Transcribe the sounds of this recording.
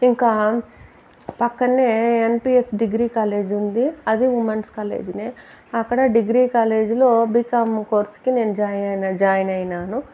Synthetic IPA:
iŋkaː | pɐkːɐneːenpiːesɖiɡɾiːkaːle̞ːd͡ʒund̪iɐd̪iʋumɐɳɖskaːlḛːd͡ʒineː | ɐkːɐɽɐɖiɡɾiːkaːle̞ːd͡ʒilo̞ːbikɐmko̞ːɾskine̞ːnud͡ʒaːjnɐnɐd͡ʒaːjɐnɐjnaːnu

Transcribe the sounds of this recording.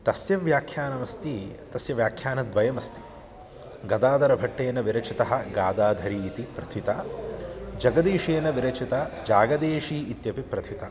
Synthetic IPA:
t̪ɐsjɐʋjaːkʰjaːnɐʋɐst̪it̪ɐsjɐʋjaːkʰjaːnɐd̪ʋɐjɐmɐst̪i̥ | ɡɐd̪aːd̪ɐɾɐbʱɐʈːeːnɐʋiɾɐt͡ʃit̪ɐɦɐ̆ɡaːd̪aːd̪ʱɐɾiːt̪ipɾɐt̪ʰit̪ɐ | d͡ʒɐɡɐd̪eːʂeːɐnɐʋiɾɐt͡ʃit̪ɐd͡ʒaːɡɐd̪eːʂiːit̪jɐpipɾɐt̪ʰit̪ɐ

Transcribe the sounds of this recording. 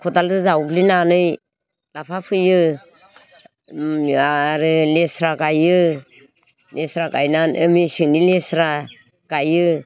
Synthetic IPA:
kʰɔtaldɯzawuklinanɯj | lapʰapʰɯjɯ | aɾɯlesɾakajɯ | lesɾakajnanʔɯmisiŋnilesɾa | kajɯ

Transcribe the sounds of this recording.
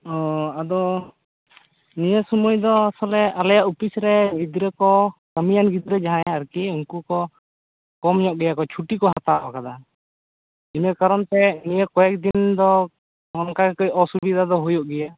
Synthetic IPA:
ɔad̪ɔ | nijəsumujd̪ɔasɔlɛʔalajaʔupisɾɛɡid̪ɾəkɔkəmijanɡid̪ɾɛd͡ʒaɦãjaɾkiuŋkukɔ | kɔmɲɔʔɡɛjakɔt͡ʃʰuʈikɔɦat̪aʔɔkad̪a | imɛkaɾɔnt̪ɛnijəkɔjɛk̚d̪ind̪ɔ | ɔnkakkɔjɔsubid̪ʱad̪ɔɦujɔʔɡɛja

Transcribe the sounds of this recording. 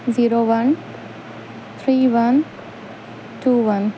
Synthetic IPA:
ziːɾoːʋɐ̃n | t̪ʰɾiːʋɐn | ʈuːʋɐ̃n

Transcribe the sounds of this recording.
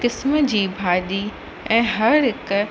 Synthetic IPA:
kɪsməd͡ʑiːbʱaːɗi | ɛ̃ːɦɐɾɦɪk

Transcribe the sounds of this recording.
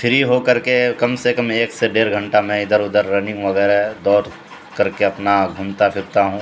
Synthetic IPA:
fʰɪɾiɦokɐɾkekɐmsekəmeːkseɖeːɾɡʱə̃ɳʈamɛ̃ɪd̪əɾʊd̪əɾːɐnɪ̃ŋɡʋɐɡɛːɾd̪ɔːɾ | kɐɾkeɐpnaɡʱʊmt̪apʰɪɾt̪aɦũː

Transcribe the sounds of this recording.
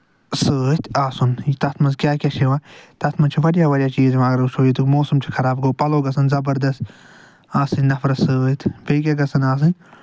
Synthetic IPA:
sɨːt̪ʰaːsunjit̪ɐt̪ʰmɐskʲaːkʲaʃʰeʋaːt̪ɐt̪ʰmɐnt͡ʃʰiʋɐɽijaːʋɐɾʲjaːt͡ʃiːzʋãːɡɐɾuʃʰoːit̪umoːsɐmt͡ʃʰi̥kʰɐɾaːbɡoːpɐloːɡɐsɐnzɐbɐɾd̪ɐst̪ | aːsɨnʲnɐfɾɐsɨːt̪ʰbeːkʲaɡɐsɐnaːs̬ɨnʲ

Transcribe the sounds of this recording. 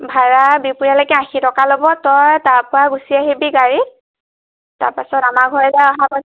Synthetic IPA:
bʱaɹabipuɹjalɔkɛãxitɔkalobɔtɔjtaɹpʊɹaɡusiaɦibiɡaɹi | ta̰ɹpasɔtamaɡʱɔɹɛzaɔɦapa

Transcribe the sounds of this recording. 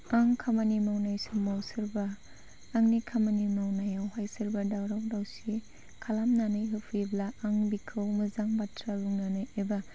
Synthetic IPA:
aŋkʰamanimawnajsɯmawsɯɾbaː | ŋnikʰamanimawnajawɦajsɯɾbadawɾawdawsi | kʰalamnanɯjɦɯpʰiblaaŋbikʰɯwmɯzaŋbatɾaluŋnanɯjeba

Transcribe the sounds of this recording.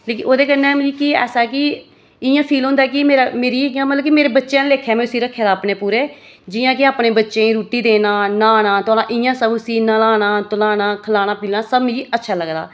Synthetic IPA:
leːkɪoːd̪eːkənːɛ̃ːmd͡ʒiːkiːɛ̰ːsaɛːkɪ | ɪjãːpʰiːlɦõːnd̪aɛːk̬ɪmeːɾaːmeːɾiːãmət̪ləbkimeːɾeːbətːʃejãːnleːkʰːeaːmɛ̃ʊsiːɾəkʰːeːd̪aːpneːpuːɾeː | d͡ʒɪjãːkɪaːpneːbətːʃẽːĩɾuːʈiːd̪eːnaːnaːɽãːt̪ʊaːɽãːʔɪjãːsəbsiːnalaːɽaːt̪ʊlaːɽãːkʰəlaːɽ̃aːpiːlnaːsəbĩiːətːʃʰaːləɡd̪a̰ː

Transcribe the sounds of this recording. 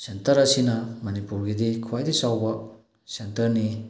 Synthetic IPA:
sentɐɾɐsinɐmɐnipuɾɡidikʰuwajdisawbɐ | sentɐɾni

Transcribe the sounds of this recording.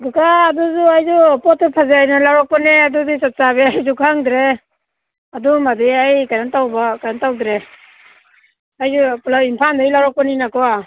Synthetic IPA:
ɡɯkaːduzuajzupɔtɔpʰazeajnalawɾɔk̚pɔneadudisat̚sabeajzukʰaŋdɾe | adumadiajkaɾantawbakajantawdɾe | ajzupulawimpʰandajlawɾɔk̚pɔninakɔa

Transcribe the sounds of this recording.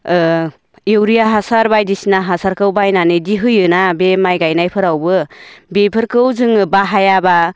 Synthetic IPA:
ewɾijaɦasaɾbajdisinaɦasaɾkɯwbajnanɯdiɦɯjɯnabemajɡajnajpʰɯɾawbɯbepʰɯɾkɯwzɯŋbaɦajaba

